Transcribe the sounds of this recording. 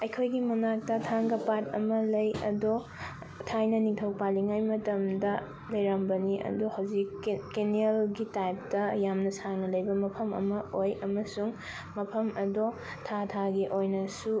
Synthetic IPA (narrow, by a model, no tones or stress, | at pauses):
ɐjkʰojɡimɐnak̚tɐtʰaŋɡɐpatɐ̰mɐlɐjɐ̰do | tʰajnɐniŋtʰɐwpaliŋajmɐtɐmdɐ | lɐjɾambɐniɐ̰duhawzikːenielɡitajp̚tɐjamnɐsaŋnɐlɐjbɐmɐpʰɐmɐ̰mɐojɐmɐsuŋ | mɐpʰɐmɐdo | tʰatʰaɡeʔojnɐsu